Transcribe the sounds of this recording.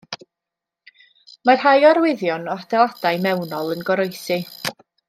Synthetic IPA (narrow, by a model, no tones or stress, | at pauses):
mar̥hajaɾwɪðjɔnɔadɛlˠad̥ajmɛwnɔlˠənɡɔɾɔjsi